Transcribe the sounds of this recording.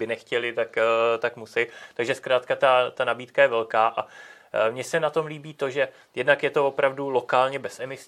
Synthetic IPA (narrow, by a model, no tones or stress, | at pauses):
bɪnɛxcɛlɪt̪akt̪akmusɛjt̪aɡʒɛskɾaːt̪kat̪at̪anabiːt̪kajɛvɛlkaːʔa | mɲɛsɛnat̪o̞mliːbiːt̪o̞ʒɛ | jɛdnakjɛt̪o̞vo̞pɾavdulo̞kaːlɲɛbɛsɛmɪs